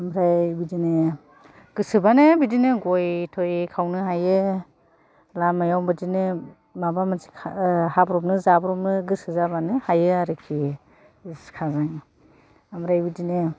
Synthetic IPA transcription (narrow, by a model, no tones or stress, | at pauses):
amɾajbidinɯ | ɡ̥ɯsɯbanɯbidinɯɡojtʰojkʰawnɯɦajɯ | lamajawbɯdinɯ | mabamansi̥kʰhabɾɔpnɯzabɾɔm̚nɯɡɯsɯzabanɯhajɯaɾɯkʰi | skʰazaŋ | amɾajbidinɯ